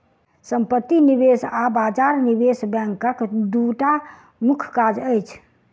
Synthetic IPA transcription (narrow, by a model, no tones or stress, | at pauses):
səmpət̪ːinibesabad͡ʒaɾnibesbɛ̃ŋkəkd̪uʈa | mukʰkad͡ʒəjt͡ʃʰ